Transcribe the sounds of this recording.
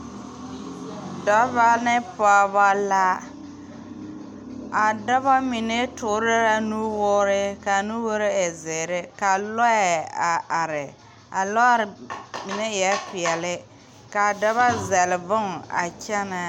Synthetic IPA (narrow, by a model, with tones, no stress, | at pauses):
dɔ˨˦va˦nɪ˦pa˦ba˦la˦ | a˨dɔ˦βa˦mi˨ne˦tʊ˨ɾɪ˦ɾa˦nu˦wʊ˦ɾɪ˦ka˨nu˦wo˦ɾɪ˦ɪ˨zɪ˨ɾɪ˦ka˨lɔ˦ɛ˨a˨a˨ɾɪ˨ | a˨lɔ˦ɾmi˨ne˦jɛ˦pɪ˨ɛ˨lɪ˦ | ka˨dɔ˦βa˦zɛ˨lɪ˨vʊ˦ŋ˨a̰˨t͡ʃɛ˦na˨